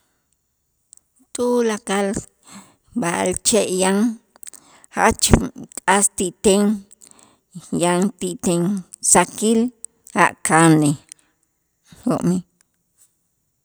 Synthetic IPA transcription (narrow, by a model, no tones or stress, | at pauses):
t̪ʼulakal | balt͡ʃeʔjaŋ | ha̰t͡ʃkʼast̪iʔt̪eŋ | jaŋt̪iʔt̪eŋ | sakil | a̰ʔkane | hoʔmi